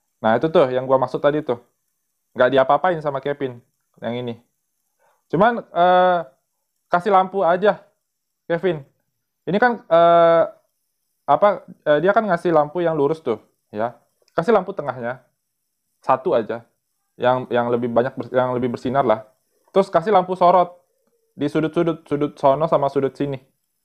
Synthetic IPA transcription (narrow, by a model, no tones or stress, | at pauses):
nahit̪ut̪ʊhjaŋɡuamaksʊk̚t̪adit̪ʊ | ŋɡaʔdiapaːpaɪnsamakefɪn | jaŋini | t͡ʃumanə | kasɪlampuad͡ʒa | kefɪn | inikanəː | apaəːdiakanŋasɪhlampujaŋluɾʊst̪ʊ | ja | kasɪlamput̪əŋaɦɲa | sat̪uad͡ʒa | jaŋjaŋləbɪhbaɲak̚bəjaŋləbɪhbərsinarlah | t̪ɾʊskasɪlampusoɾɔt̪̚ | disudʊt̪̚sudʊt̪̚sudʊt̪̚sonɔsamasudʊt̪̚sinɪ